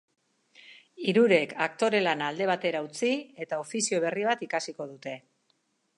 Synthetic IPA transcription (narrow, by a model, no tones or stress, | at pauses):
iɾuɾe̞kʰak̚t̪o̞ɾe̞lanaːld̪e̞β̞at̪e̞ɾaut͡sie̞t̪ao̞fisio̞β̞e̞riβ̞at̪ikasiko̞ðut̪e̞